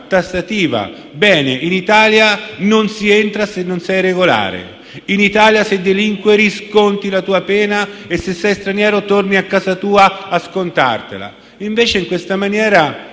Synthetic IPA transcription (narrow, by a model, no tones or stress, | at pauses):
t̪asat̪iːva̰ | bɛːneʔinit̪aːljanonsient̪ɾasenːonsɛjreɡola̰ːɾḛ | init̪aːljased̪ːeliŋkweɾiskont̪ilat̪uːapɛːnaesːesːɛjst̪ɾanjɛːɾot̪orniakːaːzat̪uːaːskont̪a̰rt̪ḛla̰ | iɱveːt͡ʃeiŋkwest̪amanjɛːɾa